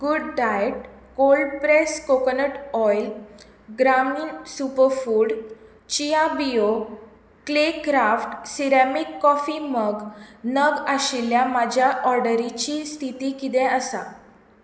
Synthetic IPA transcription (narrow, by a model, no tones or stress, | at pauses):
ɡuɖɖajeʈ̚ | kolɖpɾeskokənəʈɔjl | ɡɾaminsupəɾfuːɽ | t͡ɕijabijo | klekɾafʈsiɾamikːɔfiməɡnəɡaɕiljamad͡ʑʱjaʔɔɾɖəɾit͡ɕiːst̪ʰit̪iːkit̪ɛ̃əsa